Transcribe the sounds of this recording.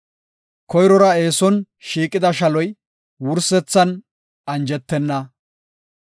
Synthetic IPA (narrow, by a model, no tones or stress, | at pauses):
kʰɔjɾɔɾɐe̞ːsɔn | ʃiːkʼːɪd̪ɐʃɐlɔj | wʊɾsɛt͡sːɐn | ɐnd͡ʒɛt̪ːɛnːɐ